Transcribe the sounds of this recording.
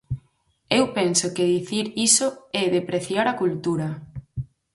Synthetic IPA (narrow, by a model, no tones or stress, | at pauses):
ewpɛnsokɪðiθiɾisoɛðepɾeθjaɾɐkult̪uɾɐ